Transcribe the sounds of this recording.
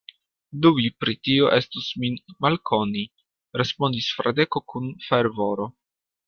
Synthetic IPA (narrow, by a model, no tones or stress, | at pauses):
duvipɾitioʔe̞stusminmalkʰo̞ni | ɾespo̞ndisfɾade̞ko̞kʰunfe̞ɾvo̞ɾo̞